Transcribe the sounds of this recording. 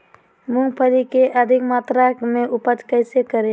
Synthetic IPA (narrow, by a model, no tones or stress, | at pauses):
muŋɡpʰəlikeʔəd̪ʱikmat̪ɾameʔupət͡ʃkəɪsekəɾe